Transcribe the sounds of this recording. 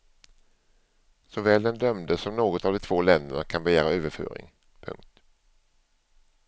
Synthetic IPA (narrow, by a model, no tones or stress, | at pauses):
sɔvɛːld̪ɛnd̪œmd̪əsɔmnoːɡɔt̪avd̪ɔt̪ʰvoːlɛnd̪əɳakʰanbɛjæːɾaøːvəɾfø̰ːɾɪ̰ŋ | pʰɵ̰ŋk̚t̪